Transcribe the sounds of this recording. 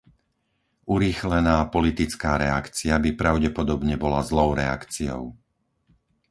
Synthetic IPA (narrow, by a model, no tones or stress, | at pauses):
uɾiːxlɛnaːpɔlit̪it͡skaːɾɛakt͡siabipɾaʊɟɛpɔd̪ɔbɲɛbɔlazlɔʊɾɛa̰kt͡siɔ̰ʊ